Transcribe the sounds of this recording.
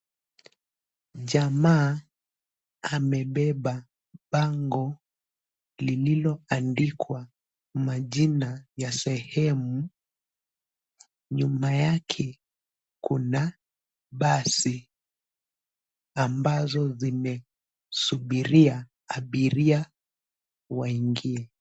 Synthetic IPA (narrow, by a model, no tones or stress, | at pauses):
ʄamaː | amɛɓɛɓa | ɓaŋɡɔ | lililɔandikʰwa | maʄinajasɛhɛmu | ɲumajakʰɛ | kuna | ɓasi | ambazɔzimɛ | suɓiɾia | aɓiɾia | waiŋɡiɛ